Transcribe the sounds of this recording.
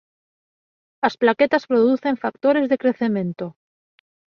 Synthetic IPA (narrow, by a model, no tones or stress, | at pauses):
asplaket̪aspɾoðuθeɱfak̚t̪o̞ɾe̞zðekɾe̞θe̞mẽ̞nt̪o